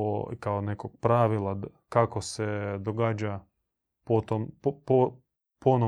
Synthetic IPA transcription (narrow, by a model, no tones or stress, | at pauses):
okaonekoɡ̚pɾaʋilˠa | kakosed̪oɡaːd͡ʑa | pot̪ompo | pono